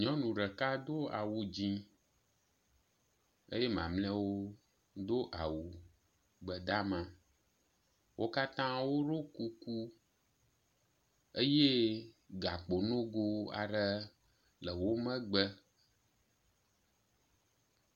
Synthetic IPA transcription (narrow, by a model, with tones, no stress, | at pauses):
ɲɔ̃˦nũ˨ɖə˨ka˦d̪o˦a̰˨wu˨d͡ʑĩ˦ | ə̰˦je˦mã̰˨mlɛ̃˦wo˦ | d̪o˦ʔa˨wu˨ | ɡ͡bə˨d̪a˦mã˨ | wʔo˦ka˦t̪ã˦wo˦ɖo˦ku˦ku˦ | ə˦je˦ | ɡa˨k͡po˨nõ˦ɡo˦a̰˨ɖə˦ | lə˨wo˦mə̃˦ɡ͡bə˦